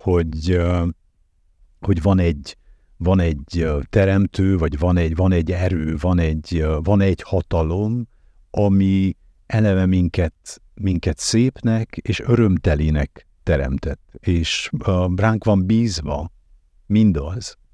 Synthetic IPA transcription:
ho̞ɟ | ho̞ɟvɒnɛɟ | vɒnɛɟt̪ɛɾɛmt̪øːvɒɟvɒnɛɟvɒnɛɟːɛɾøːvɒnɛɟːvɒnɛɟhɒt̪ɒlo̞m | ɒmi | ʔɛlɛvɛmiŋkɛt̪ | miŋkɛt̪seːpnɛkeːʃø̞ɾø̞mt̪ɛliːnɛk | t̪ɛɾɛ̰mt̪ɛt̪ːeːʃraːŋkʋɒmbiːzʋɒ | mind̪ɒz̥

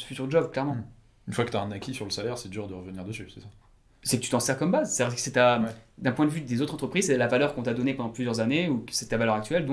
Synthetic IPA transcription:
fyt̪yʁd̪əʒɔbklɛʁmɑ̃ | ynfwakə̥t̪yaɛ̃nakʲisyʁləsalɛʁsɛd̪yʁd̪əʁəvəniʁd̪əsysɛsa | sɛkət̪yt̪ɑ̃sɛʁkɔmbazst̪ad̪iʁkə̥sɛt̪ad̪ɛ̃pwɛ̃d̪əvyd̪ezot̪χɑ̃t̪χəpχizsɛlavalœʁkɔ̃t̪yad̪ɔnepɑ̃d̪ɑ̃plyzjœʁzaneuksɛt̪ːavalœʁak̚t̪ɥɛld̪ɔ̃

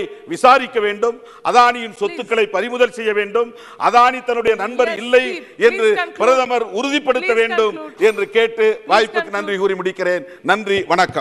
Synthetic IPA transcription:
ɪʋɪsaːɾɪkːɐʋeːɳɖɯm | ʔɐðaːnɪjɪnsɔt̪ːɯkːɐɭɐɪpːɐɾɪmʊðɐlsɛjːɐʋeːɳɖɯm | ʔɐ̰ðaːnit̪ɐnːɯɽɐjɐnɐnbɐɾɪlːɐɪɛndrɯpɪɾɐðɐmɐɾʊɾʊðɪpːɐɽɯt̪ːɐʋeːɳɖɯmɛndrɯkeːʈːɯʋaːjpːɯkːɯnɐndrikuːɾimʊɽɪkːɪreːn | nɐndriʋɐɳɐkːɐmm

